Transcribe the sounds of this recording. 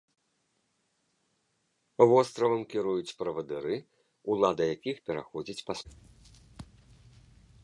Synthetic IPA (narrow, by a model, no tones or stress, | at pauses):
vɔst̪ɾɐvɐmkʲiɾujut͡sʲpɾɐvɐd̪ɨɾɨ | ulˠad̪ɐjakʲixpʲɛɾa̰xɔd͡zʲit͡sʲpas